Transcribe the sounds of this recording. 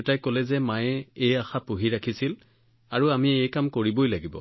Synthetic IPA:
tajkolɛzɛmajɛejaxapuɦiɹakʰisil | aɹuamiejkamkoɹibojlaɡibɔ̰

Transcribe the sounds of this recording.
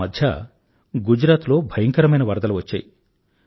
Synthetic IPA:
ɐd̪ʱjɐ̰ | ɡud͡ʒɾaːt̪lo̞ːbʱɐjɐŋkɐɾɐmɐjnɐʋɐɾd̪ɐluʋɐt͡ʃːa̰ːji

